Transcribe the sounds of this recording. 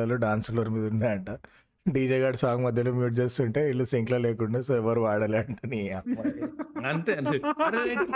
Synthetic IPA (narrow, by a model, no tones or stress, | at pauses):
ɐluːɖaːnslɐɾmiːd̪unːaːɐɳʈa | ɖiːd͡ʒeːɡaːɖsaːɡɐmɐd̪ʱjɐlumjuːʈ̚d͡ʒe̞ːst̪uɳʈeːiɭːusiŋklɐleːkuɳɖasoːɛʋɐɾuʋaːɽɐleːɳʈɐniɐ | ɐnt̪eɾe